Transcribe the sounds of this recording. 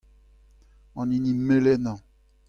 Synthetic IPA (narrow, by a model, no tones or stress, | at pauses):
ɔ̃nĩnĩmelɛnã